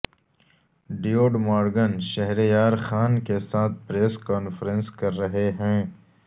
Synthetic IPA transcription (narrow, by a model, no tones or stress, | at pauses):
ɖijoːɖmaːɾɡənʃɐɦɾejaːɾxaːnkesaːt̪̚ʰpɾeːskaːnfɾə̃nskɐɾːɐɦeɦɛ̃ː